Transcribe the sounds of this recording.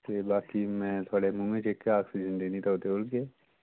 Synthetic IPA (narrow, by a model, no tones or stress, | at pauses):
t̪ebaːkimɛ̃t̪ʰoːɽemumẽt͡ʃekːeaːksid͡ʒənd̪eːnit̪ʰaoːt̪eʊlke